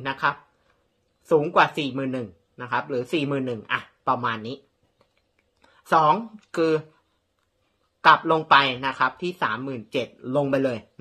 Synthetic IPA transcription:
na˦˥kʰɾa˦˥p̚ | suː˩˦ŋkwaː˨˩siː˨˩mɯː˨˩nːɯ˨˩ŋ | na˦˥kʰa˦˥p̚ɾɯː˩˦siː˨˩mɯː˨˩nːɯ˨˩ŋʔa˨˩pɾa˧maː˧nːiː˦˥ | sɔː˩˦ŋkʰɯː˧ | kla˨˩p̚lo˧ŋpa˧jna˦˥kʰa˦˥p̚t̪ʰiː˥˩saː˩˦mːɯː˨˩nt͡ɕe˨˩t̪̚lo˧ŋpa˧jlɤː˧j

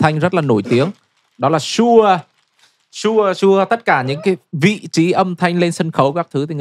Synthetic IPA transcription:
t̪ʰa˧jŋ̟zə˦˥t̚laː˨˩no˧˩jt̪i˨˦əŋ | ɗɔ˨˦laː˨˩su˧ | su˧əsu˧ət̪ə˦˥t̚kaː˧˩ɲɨ̰˧˥ŋkaː˨˦jvḭ˧˨t͡ɕi˨˦ʔə˧mt̪ʰa˧jŋ̟le˧nsə˧nxə˨˦wkaː˦˥k̚t̪ʰɨ˨˦t̪ʰi˨˩˨

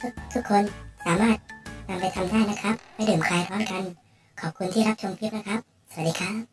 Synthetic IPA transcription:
t̪ʰu˦˥k̚t̪ʰu˦˥kʰːo˧nsaː˩˦maː˥˩t̪̚t̪a˧mpa˧jt̪ʰa˧mdaː˥˩jna˦˥kʰa˦˥p̚ːa˧jdɯː˨˩mkʰaː˧jt̪ʰɔː˦˥nka˧n | kʰɔː˨˩p̚kʰu˧nt̪ʰiː˥˩ɾa˦˥p̚t͡ɕʰo˧mpʰi˦˥t̪̚na˦˥kʰɾa˦˥p̚ | sa˨˧˩a˩diː˧kʰaː˦˥p̚

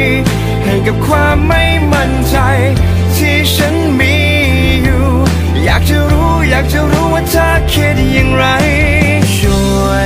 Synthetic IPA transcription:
ha˨˩jka˨˩p̚kʰwaː˧mːa˥˩jma˧nt͡ɕa˧j | t̪ʰi˧˩t͡ɕʰa˧˥nmi˧ | juː˨˩ | jaː˨˩k̚t͡ɕa˧˦ɾuː˦˥jaː˨˩k̚t͡ɕa˧ɾuː˦˥waː˧˩t̪ʰaː˧˩kʰe˧˩t̪̚ɲa˧ŋɾa˧˦j | su˧˩˧ə

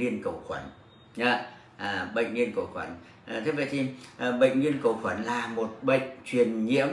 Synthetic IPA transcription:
i˧ənkə̰˧˩wxwə˧˩˦n | ɲə˨˧˦ | ɓə̰˧˨jŋ̟li˧ənkə̰˧˩wxwə˧˩˦n˨˩ | t̪ʰɨ˦k̚və̰˧˨jt̪ʰi˧˩ʔɓə̰˧˨ŋ̟ɲwi˧ənkə̰˧˩wxwə˧˩nlaː˨˩mo˨˩t̚ɓə̰˧˨ŋ̟t͡ɕwi˨˩ənɲḭ˧˥əm

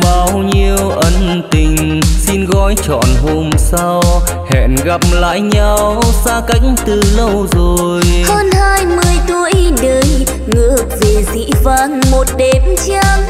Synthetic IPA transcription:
ɓaː˧˩wɲi˧əwʔə˧n | t̪ï˨˩ŋ̟ | si˧nɣɔ˧˦jt͡ɕɔ̰˧˨nɦo˧msa˧w | hɛ̰˧˨nɣa˨˩p̚la̰ː˧˨jɲa˧wsaː˧ka˨˦jk̟t̪ɨ˨˩lə˧wzo˨˩jjhəː˧nhaː˧jmɨ˧əjt̪u˧əjɗəː˨˦j | ŋɨ˨˧˩ək̚ve˨˩zḭ˧˥vaː˧˩ŋmo˨˩t̚ɗe˨˦mt͡ɕa˧ŋ

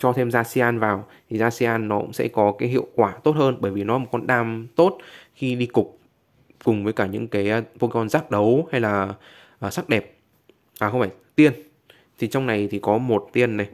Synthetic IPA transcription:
t͡ɕɔ˧t̪ʰe˧mzaː˧si˧ʔaː˧nvaː˨˩wt̪ʰi˨˩zaː˧si˧ʔaː˧nːɔ˨˦kʊ̰˧˥ŋ͡msɛ̰˧˥kɔ˨˦kaː˨˦jɦḭ˧˨əwkwaː˧˩t̪o˦˥t̚həː˧nɓəː˧˩jvi˨˩nɔ˨˦mo˨˩t̚kɔ˧nɗaː˧mt̪o˦˥t̚xi˧ɗi˧kʊ˨˩k͡p̚ | kʊ˨˩ŋ͡mvəː˨˦jkaː˧˩ɲɨ̰˧˥ŋkaː˨˦jpo˧kɔ˧nzaː˦˥k̚ɗə˨˦wha˧jlaː˨˩ | ʔəː˨˩sa˦˥k̚ɗɛ˨˩p̚ | aː˨˩xə˧wŋ͡mfaː˧˩jt̪i˧ən | t̪ʰi˨˩t͡ɕwŋ͡mna˨˩jt̪ʰi˨˩kɔ˨˦mo˨˩t̚t̪i˧ənːe˨˩

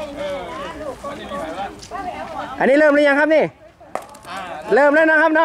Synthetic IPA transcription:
ʔa˨nːiː˦˥˩lɤː˧˩mlɯː˥jɲa˧˨kʰa˦˥p̚niː˧˩ | lɤː˧˩˨mlaː˧˥˩nɔ˧˥˩kʰa˦˥p̚nɔ˦˥

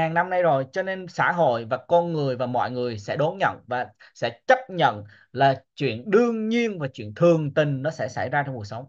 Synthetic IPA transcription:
aː˨˩ŋna˧mna˧jzo˨˩jt͡ɕɔ˧ne˧nsa̰ː˧˥ɦo̰˧˨jvaː˨˩kɔ˧nŋɨ˨˩əjvaː˨˩mɔ̰˧˨jŋɨ˨˩əjsɛ̰˧˥ɗo˨˦nɲə̰˧˨nvaː˨˩sɛ̰˧˥t͡ɕə˦˥p̚ɲə̰˧˨n | laː˨˩t͡ɕwḭ˧˨ənɗɨ˧əŋɲi˧ənvaː˨˩t͡ɕwḭ˧˨ənt̪ʰɨ˨˩əŋt̪ï˨˩ŋ̟nɔ˨˦sɛ̰˧˥sa̰˧˩jzaː˧t͡ɕɔ˧ŋ͡mku˨˩ək̚sə˨˦wŋ͡m

